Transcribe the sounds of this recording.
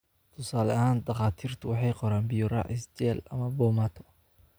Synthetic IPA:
t̪ʰʊsaːlɐɦaːnd̪ɐqɑːt̪ʰiːrt̪ʰʊwɑħɑjqɔɾaːnbɪjʊɾɑ̰ʕɪst͡ʃɛːlɐ̰mɐbɔːmat̪ʰɔ̥

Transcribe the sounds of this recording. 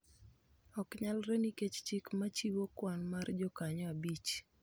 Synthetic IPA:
ɔkɲalɾɛniket͡ʃt͡ʃɪkmat͡ʃiwokwanmard͡ʒɔkaɲɔabit͡ʃ

